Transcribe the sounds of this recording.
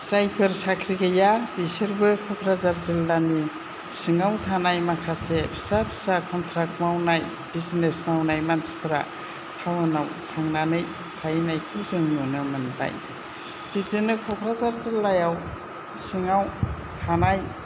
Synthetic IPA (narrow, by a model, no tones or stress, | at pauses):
sajpʰɯɾsakʰɾiɡajabisɯɾbɯkʰɔkʰɾazaɾzilːani | sɯŋawtʰanajmakʰasepʰsapʰsakʰɔntʰɾak̚t̚mawnaj | b̥iznesmawnajmansi̥pʰɯɾa̰ | tʰawɯnawtʰaŋnanɯj | tʰajnajkʰɯmzɯŋmɯnɯmɯnpʰa̰j | bitɯnɯkʰɔkʰɾazaɾzilːajaw | sɯŋaw | tʰanaj